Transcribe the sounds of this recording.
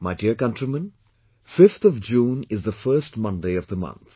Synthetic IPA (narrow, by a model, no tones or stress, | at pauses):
maɪdiəɹkʌ̃ntɹimə̃n | fɪft̪ʰɔvd͡ʒũːnɪzðəfɜːsʈmʌ̃ndeɪʌvd̪əmʌ̰̃nt̪